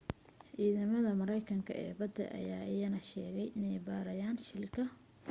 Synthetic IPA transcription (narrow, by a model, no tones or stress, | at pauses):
ʔiːðɐmɐðɐmɐɾɛjkʰɐŋkʰɐ̰ʔɛ̰ːbɐd̪ɛ̰ʔɐ̰jaːʔɪjɐnɐʃɛːɣɛjʔɪnɛjbaːɾɐjaːnʃɪlkʰɐ